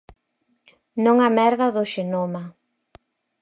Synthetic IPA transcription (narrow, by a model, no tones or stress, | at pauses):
nõŋamɛɾðaðʊʃenoma